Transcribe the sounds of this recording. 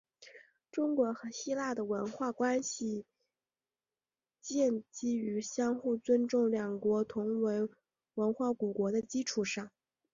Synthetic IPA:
ʈ͡ʂʊ˥ŋkwɔ˧˥xɤ˧˥ɕi˥la˥˩d̪ə˩wə˧˥nxwa˥˩kwa˥nɕi˨˩ | t͡ɕjɛ˥˩nt͡ɕi˥y˧˥ɕjɑ˥ŋxu˥˩t͡swə˥nʈ͡ʂʊ˥˩ŋljɑ˨˩ŋkwɔ˧˥t̪ʰʊ˧˥ŋwe˧˥ɪ | wə˧˥nxwa˥˩ku˨˩kwɔ˧˥d̪ə˧t͡ɕi˥ʈ͡ʂʰu˨˩ʂɑ˥˩ŋ

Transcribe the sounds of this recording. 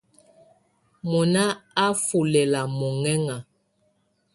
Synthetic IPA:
mɔ˨na˦a˦fu˨lɛ˨la˨mɔ˨ŋɛ˦ŋa˨

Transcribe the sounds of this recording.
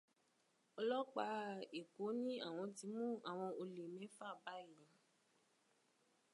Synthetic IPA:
ɔ˧lɔ˦k͡pa˧˦e˨ko˨˦nĩ˦a˦˨w̃ɔ̃˧ti˧˦mũ˦a˨w̃ɔ̃˧o˧le˨mẽ˨˦fa˦˨ba˦˨i˨

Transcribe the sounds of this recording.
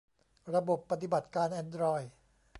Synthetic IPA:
ɾa˧bo˨˩pːa˧t̪̬i˨˩ba˨˩t̪̚kaː˧nʔɛː˧ndɾɔː˧j

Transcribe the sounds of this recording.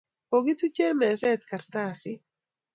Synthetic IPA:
oɡi˦t̪u˦t͡ʃɛ˦mɛ˨sɛ˦t̪̚ka˨ɾt̪asɪ˦

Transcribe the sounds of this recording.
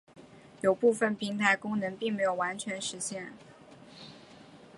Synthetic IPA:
jo˨˩ʊpu˥˧fə˥˩npʰi˧˥ŋt̪ʰa˧˥ɪkʊ˥ŋnə˧˥ŋpi˥˩ŋme˧˥ɪjo˨˩ʊwa˧˥nt͡ɕʰɥɛ˧˥nʂɻ̩˧˥ɕjɛ˥˩n

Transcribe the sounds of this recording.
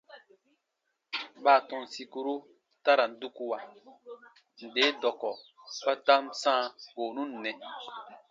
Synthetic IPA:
ɓaː˨tɔ̃˨n˨si˨ku˨ɾu˦ | ta˦ɾa˨n̩˨˦du˦ku˦wa˨ | n̩˨de˨˦dɔ˨kɔ˨ | pa˦ta˦msãː˦ɡ̥oː˨nũ˦nː˨ɛ˨

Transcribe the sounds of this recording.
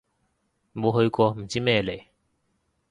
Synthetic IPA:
mo˨˧wɦɵ˧ɥkɔː˧m̩˨˩t͡siː˥mɛː˥˧le˨˩j

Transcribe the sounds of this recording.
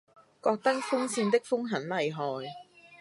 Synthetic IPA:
kɔː˧k̚t̪ɐ˥k̚fʊ˥ŋsʰiː˧nt̪ɪ˥k̚fʊ˥ŋɦɐ˨˥nlɐ˨jɦɔː˨˩j

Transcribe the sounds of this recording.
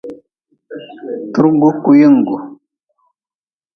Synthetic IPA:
tu˦ɾŋ˦ɡu˦ku˨jə˦˨ŋ˨ɡu˨

